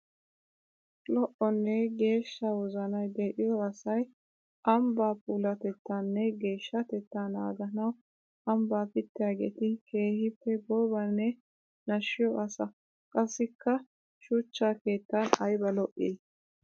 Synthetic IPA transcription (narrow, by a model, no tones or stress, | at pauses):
lɔʔɔnːɛɡe̞ːʃːɐwɔzɐnɐjd̪eʔɪjɔɐsɐj | ʔɐmbaːpuːlɐt̪ɛt̪ːanːɛɡe̞ːʃːɐt̪ɛt̪ːana̰ːɡɐnɐw | ɐmbaːpɪt̪ːɪjaːɡḛt̪ɪke̞ːhɪpːɛboːbɐnːɛ | nɐʃːɪjɔʔɐsɐ | kʼɐsːɪkʰːɐ | ʃʊt͡ʃːaːke̞ːt̪ːɐnɐjbɐlɔʔi